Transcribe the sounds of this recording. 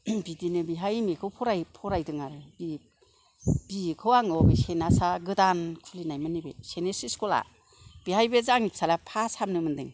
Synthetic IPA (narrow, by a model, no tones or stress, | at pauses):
bidinɯbiɦajmekʰɯwpʰɔɾajpʰɔɾajdɯŋaɾɯb̥i | b̥ikʰɯwaŋɔɡesenasaɡɯdankʰulinajmanibesenesiskola̰ | b̥iɦajbezaŋipsʰalapʰasamnɯmɯndɯ̰ŋ